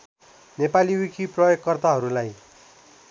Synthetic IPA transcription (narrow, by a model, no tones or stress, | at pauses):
nepaliwikʰiprʌjokkːʌrt̪aɦʌɾulaj